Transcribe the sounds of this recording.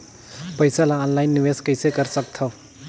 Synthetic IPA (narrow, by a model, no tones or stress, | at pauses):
pəjsalaːnlajnːiweskəjsekəɾsəkt̪ʰo